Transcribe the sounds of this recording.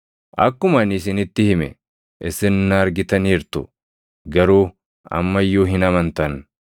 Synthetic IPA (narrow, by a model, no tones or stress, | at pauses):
ʔɐkːʊmɐnɪsɪnɪt̪ːɪhɪmɛ̰ | ʔɛsːɪnnaːɾɡɪt̪ɐniːɾt̪ʊ | ɡɐɾuː | ɐ̰mːɐjuːɦɪnɐmɐnt̪ɐn